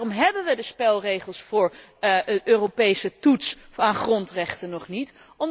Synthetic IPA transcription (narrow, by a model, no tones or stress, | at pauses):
rɔmɦɛbənʋədəspɛlˠrejχəlˠsfʊːɹ | ətøːropejsətutsaːχrɔntrɛχtənɔχnit | ɔm